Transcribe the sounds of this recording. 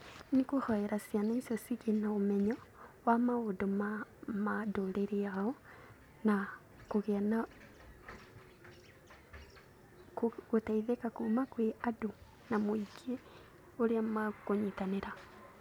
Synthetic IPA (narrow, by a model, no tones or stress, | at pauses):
nikuhoeɾasjanesjosiɣenaomeɲowamaodomamadoleɾiao | na | kuɣena | kɣutaiðekakumakweʔado | namoiɡe | oɾiamakoɲitaneɾa